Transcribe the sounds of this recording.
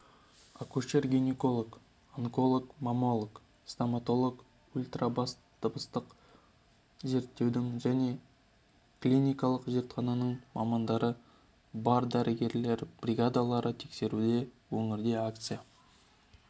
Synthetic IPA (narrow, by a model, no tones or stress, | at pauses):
akuʃerɡʲiniko̞lˠok | aŋko̞lˠokmɑmo̞lˠok | st̪amat̪o̞lˠok | ulʲt̪rabɑs | t̪əbəst̪əq | ze̞ɾt̪ːe̞wd̪ɪŋʒæne̞ | klʲinʲijkɑlˠəqʒe̞ɾt̪χɑnɑnəɴmɑmɑnd̪ɑɾə | bɑɾd̪æɾʔɪɡʲe̞ɾle̞ɾb̥rʲiɡad̪alˠɑɾət̪ʰe̞kse̞ɾud̪e̞ | wɵŋɪɾd̪e̞ak̚t̪sɨja